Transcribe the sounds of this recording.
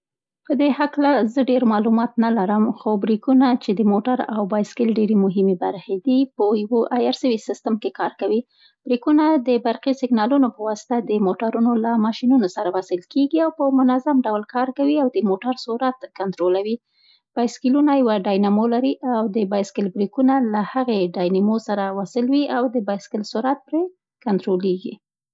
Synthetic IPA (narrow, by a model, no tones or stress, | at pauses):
pəd̪ehaklazəɖeɾmɑlumɑt̪nalaɾəmxobɾikunat͡ʃed̪əmoʈaɾawbɑjskɪlɖeɾemʊɦɪmebaɾxed̪ipəjwoʔajaɾsəwisɪst̪əmkekɑɾkawi | b̥ɾikunad̪əbaɾxisɪɡnɑlunopəwɑsɪ̥t̪ad̪əmoʈaɾunolamɑʃinunosaɾawasɪlkeɡiawpəmʊnazamɖawlkɑɾkawiawd̪əmoʈaɾsuɾat̪kant̪ɾolawi | b̥ɑjskɪlunajawaɖɑjnamolaɾiʔawd̪əbɑjskɪlbɾikunalahaɣeɖɑjnamosaɾawɑsɪlwiawd̪əbɑjskɪlsuɾat̪̚pɾe | kant̪ɾoleɡḭ